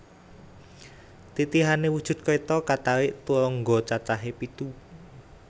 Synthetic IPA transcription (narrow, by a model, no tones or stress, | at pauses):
t̪it̪iɦanewud̥ʒ̥ʊ̤t̪̚kɔit̪ɔkat̪awɪʔt̪ulɔŋɡɔt͡ʃat͡ʃaɦepit̪u